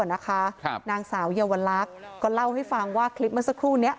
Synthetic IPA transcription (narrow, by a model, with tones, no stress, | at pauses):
na˦˥kʰa˦˥˧naː˧ŋsaː˩˦wjaː˧wa˧nlaː˦˥k̚kɔː˥˩la˥˩wha˥˩jfa˧ŋwaː˥˩kʰli˦˥p̚ma˥˩sa˧˥kʰːuː˥˩ni˦˥ɐʔ